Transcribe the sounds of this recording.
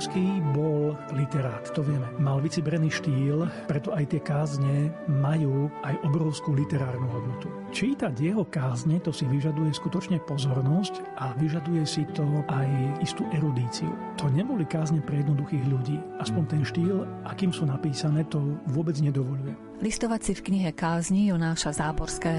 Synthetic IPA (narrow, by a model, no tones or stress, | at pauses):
skibɔllit̪ɛɾaːt̪t̪ɔʋɪɛmɛmalʋit͡sibɾɛniːʃt̪iːlpɾɛt̪ɔajt̪ɪɛkaːzɲɛmajuːʔajʔɔbɾɔʊskuːlit̪ɛɾaːɾnuɦɔd̪nɔt̪u | t͡ʃiːt̪aɟjɛɦɔkaːzɲɛt̪ɔsiʋiʒad̪ujɛskut̪ɔt͡ʃɲɛpɔzɔɾnɔsc | ʔaʋiʒad̪ujɛsit̪ɔʔajist̪uːʔɛɾud̪iːt͡sḭṵt̪ʰɔɲɛbɔlikaːzɲɛpɾɛjɛd̪nɔd̪uxiːɣʎuɟiːʔaspɔɲt̪ɛnʃt̪iːl | ʔakiːmsuːnapiːsanɛːt̪ɔʋʊɔbɛd͡zɲɛd̪ɔʋɔʎujɛ | list̪ɔʋacsifkɲiɦɛkaːzɲijɔnaːʃazaːbɔɾskɛː